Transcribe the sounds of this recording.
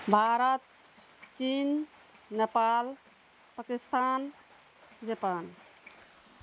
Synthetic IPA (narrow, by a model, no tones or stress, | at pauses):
bʱaɾət̪ | t͡ʃinː | epal | pakist̪an | d͡ʒəpan